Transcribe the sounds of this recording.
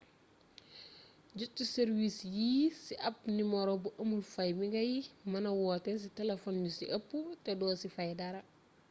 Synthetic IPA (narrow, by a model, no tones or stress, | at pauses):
ɟutːuseɾwisjiːsiʔɐp̚nimɔɾɔbuʔɐmulfɐjmiɡɐjimɐnɐwɔːtɛs̬itɛlefɔnjusiʔɐpːutɛdɔːsifɐjdaɾɐ